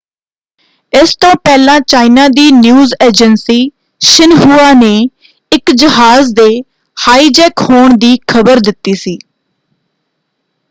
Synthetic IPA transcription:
ɪst̪õːpɛːlãːt͡ʃaːinaːd̪iːnjuːzeːd͡ʒənsiː | ʃɪnɦuːaːneː | ɪkd͡ʒəɦaːzd̪eː | haːiːd͡ʒɛːkhoːɳd̪iːkʰəbəɾd̪ɪt̪ːiːsiː

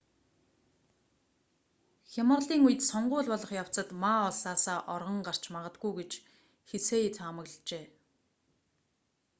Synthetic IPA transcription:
xʲamə̆rɮiːŋujɘ̆t̪sɔɴɢʊːɮpɔɮɞ̆χjaw̥t͡sə̆t̪maɔɮsaːsaːʔɔrʁɞ̆ɴɢar̥t͡ɕmaʁə̆t̪̚ɡujɡet͡ɕ | xeseːet͡samə̆ɣɮt͡ɕeː

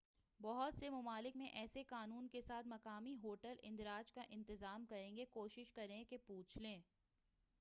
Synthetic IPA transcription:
bɔɦʊt̪semʊmaːlɪkmẽʔɛːsekaːnuːnkesaːt̪ʰmɐkaːmiɦoːʈəlɪ̃nd̪ɾaːd͡ʒkaʔɪ̃nt̪ɪzaːmkɐɾẽːŋɡekoːʃɪʃkɐɾẽkepuːt͡ʃʰlẽː

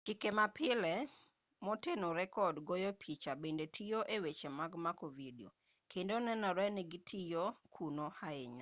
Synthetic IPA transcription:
t͡ʃikemapʰɪlɛ | mɔtenoɾɛkɔdɡojɔpʰit͡ʃabendetʰijoʔewet͡ʃemaɡmakovidio̰ | kʰendonɛnɔɾɛnɛɡitʰijokʰunohaɪɲa

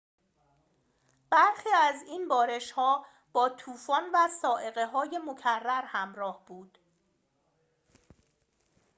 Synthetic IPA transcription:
b̥æɾxiːæziːnbɒːɾe̞ʃhɒː | b̥ɒːt̪ʰuːfɒːnvæsɒːʔe̞ɣe̞ɦɒːje̞mocʰærːæɾhæmɾɒːhb̥uːd̪̥

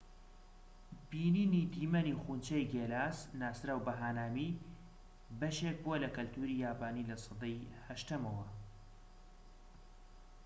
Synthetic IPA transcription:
b̥iːniːnid̪iːmɐnixunt͡ʃɛjɡeːlaːsnaːsɾaːwbɐɦaːnaːmi | bɐʃeːk̚buɐlɐkɨlt̪ʰuɾijaːbaːnilɐsˤɨd̪ejhɐʃt̪ɐmɐwɐ

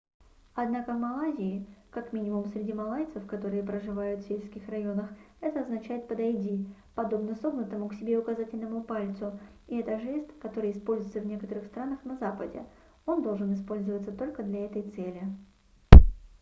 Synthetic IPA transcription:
ɐd̪nakəvmɐlˠazʲɪːkakmʲinʲɪmʊmsɾʲɪdʲimɐlˠajt̪səfkɐt̪o̞ɾɨjəpɾəʐɨvajʊt̪fʲsʲelʲskʲɪxrɐjo̞nəx | ɛt̪əɐznɐt͡ɕæjɪt̪̚pəd̪ɐjdʲipɐd̪o̞bnəso̞bnət̪əmʊksʲɪbʲe̞ʊkɐzatʲɪlʲnəmʊpalʲt̪sʊ | ɪɛt̪əʐɛsʲt̪kɐt̪o̞ɾɨjɪspo̞lʲzʊjɪt̪səvnʲe̞kət̪əɾɨxst̪ɾanəxnɐzapədʲɪ̰ | o̞nd̪o̞lˠʐɨnɨspo̞lʲzəvət̪sət̪o̞lʲkəd̪lʲɐɛt̪əjt̪sɛlʲɪ

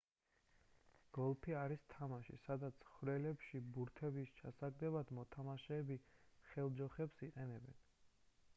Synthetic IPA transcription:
ɡ̥ɔlˠpʰiaɾist̪ʰamaʃḭsad̪at̪sʰχvɾɛlɛpʃibuɾt̪ʰɛbist͡ʃʰasaɡ̚d̪ɛbad̪mɔt̪ʰamaʃɛːbiχɛlˠd͡ʒɔχɛpsiqʼɛnɛbɛn

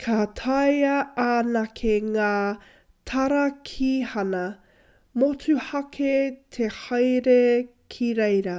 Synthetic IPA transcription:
kʰatʰɐjɐaːnɐkʰeŋaː | tʰɐɾɐkʰiːhɐnɐ | mot͡sʰʉhɐkʰetʰehɐjɾe | kʰiɾejɾɐ

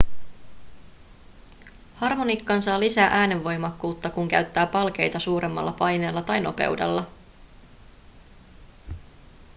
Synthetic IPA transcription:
hɑrmo̞nikːɑnsɑːlisæːʔæːne̞ʋːo̞jmɑkːuːt̪ːɑkuŋkæ̰ɥt̪ːæːpɑlk̟e̞jt̪ɑsuːɾʔe̞mːɑ̰lːɑpɑjne̞ːlːɑt̪ɑjno̞pe̞̰wde̞̰lːɑ

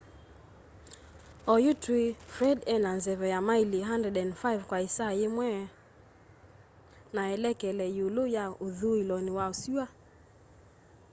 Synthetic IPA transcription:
ɔjutwifɾɛdɛnanzɛβɛjamailiɦandɾɛdɛnfaivkwaisaemwɛ | naɛlɛkɛlɛjulujauðuilɔniwaosiwa

